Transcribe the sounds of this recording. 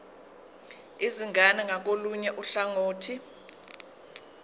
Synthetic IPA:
iziŋʱanɛŋak̬oluɲɛʔuɬaŋoːtʰi

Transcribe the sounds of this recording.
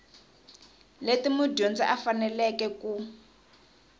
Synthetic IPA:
letimudond͡ziʔafanɛlɛkɛku

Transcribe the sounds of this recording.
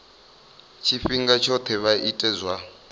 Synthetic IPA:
t͡ʃʰifiŋɡat͡ʃʰɔt̪ʰɛβaʔitʼɛzwa

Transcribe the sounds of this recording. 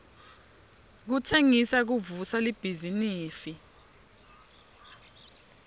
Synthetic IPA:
k̬utʰeŋisak̬uvusalib̥ʱiziniːfi

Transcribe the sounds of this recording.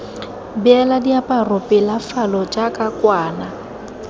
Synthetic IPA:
bɪɛladiapʼarʊpʼɪlafalɔt͡ʃʼakʼakwaːna

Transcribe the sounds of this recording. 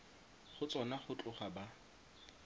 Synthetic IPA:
χʊt͡sʼɔnaχʊt͡ɬʼʊχaba

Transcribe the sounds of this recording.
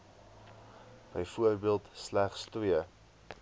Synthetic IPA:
b̥əjfuərbiəlˠtslæχstiə

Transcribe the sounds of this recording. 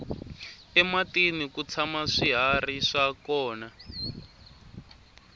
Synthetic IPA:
ɛmatenikut͡sʰamaʂiɦariʂakɔːna

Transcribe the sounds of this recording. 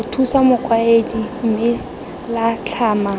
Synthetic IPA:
ʊtʰusamʊq͡χʰwaedim̩mɪ | lat͡ɬʰaːma

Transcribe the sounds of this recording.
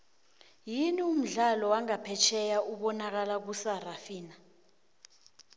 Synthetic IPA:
jinium̩ɮalɔwaŋapʰɛt͡ʃʰɛjaʔuɓɔnak̬alak̬usarafiːna

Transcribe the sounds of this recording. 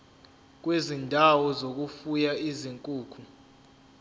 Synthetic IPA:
k̬wezindʱawɔzok̬ufujaiziŋkʼuːkʰu

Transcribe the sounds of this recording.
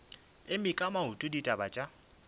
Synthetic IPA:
ɪmɪkʼamaɦutʼʊditʼabat͡ʃʼa

